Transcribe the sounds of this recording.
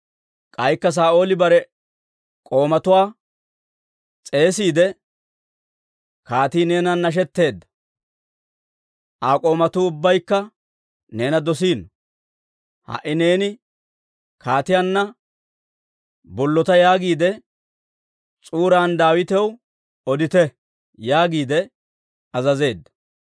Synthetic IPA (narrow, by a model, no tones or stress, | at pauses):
kʼɐjkːɐs̬aːʔo̞ːlɪbɐɾɛ | kʼo̞ːmɐt̪ʊwaː | t͡sʼe̞ːsiːd̪ɛ | kaːt̪iːne̞ːnɐnːɐʃ̬ɛt̪ːe̞ːd̪ːɐ̥ | ʔaːkʼo̞ːmɐt̪uːʊbːɐjkːɐ | ne̞ːnɐd̪ɔs̬iːn | hɐ̰ʔɪne̞ːnɪ | kaːt̪ɪjanːɐ | bɔlːɔt̪ɐjaːɡiːd̪ɛ | t͡sʼuːɾaːnd̪aːwɪt̪ɛw | ɔd̪ɪt̪ɛ | jaːɡiːd̪ɛ | ɐzɐze̞ːd̪ːɐ̥